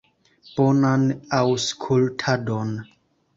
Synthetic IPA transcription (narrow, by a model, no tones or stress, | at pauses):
b̥onanawskʰultʰadon